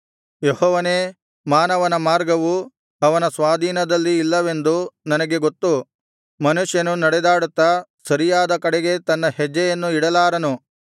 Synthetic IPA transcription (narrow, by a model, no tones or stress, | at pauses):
jehɔːʋɐneː | maːnɐʋɐnɐmaːɾɡɐʋu | ɐʋɐnɐsʋaːd̪ʱiːnɐd̪ɐlːiːlːɐʋe̞nd̪unɐnɐɡe̞ɡot̪ːu | mɐnuʂjɐnunɐɽɛd̪aːɽut̪ːɐsɐɾijaːd̪ɐkɐɽeɡe̞t̪ɐnːɐhɛd͡ʒːɐjɐnːuiɽɐlaːɾɐnu